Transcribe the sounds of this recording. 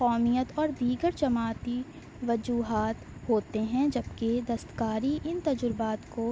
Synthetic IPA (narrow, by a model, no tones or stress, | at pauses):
qɔːmijət̪ɔːɾd̪iːɡəɾt͡ʃɐmaːt̪i | ʋɐd͡ʒuːɦaːt̪hoːt̪eɦɛ̃d͡ʒɐbked̪ɐst̪kaːɾiʔɪnt̪ɐd͡ʒʊɾbaːt̪ko